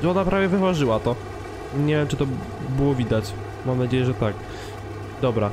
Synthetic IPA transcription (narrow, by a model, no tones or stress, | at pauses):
ʐɛɔnapɾavʲjɛvɨvaʐɘwat̪ɔ | ɲɛvʲjɛmt͡ʂɘt̪ɔ | bɘwɔvʲid̪at͡ɕ | mamnad͡ʑejɛʐɛt̪ak | d̪ɔbɾa